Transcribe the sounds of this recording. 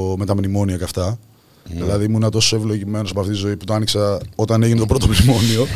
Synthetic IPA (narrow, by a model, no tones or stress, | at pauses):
met̪ɐmnimo̞niɐkɐft̪ɐ | ðilɐðimuinɐt̪o̞soevlo̞ʝime̞nosɐmpɐft̪it̪izo̞iput̪oɐniksɐo̞t̪ɐne̞ʝinet̪opɾo̞t̪omnimo̞nio̞